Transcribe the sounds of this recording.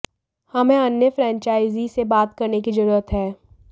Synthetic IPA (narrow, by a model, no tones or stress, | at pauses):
hɐmẽɐnjəfɾɛ̃ːɲt͡ʃaːɪzisebaːt̪kɐɾnekizɐɾuːɾət̪ɦɛː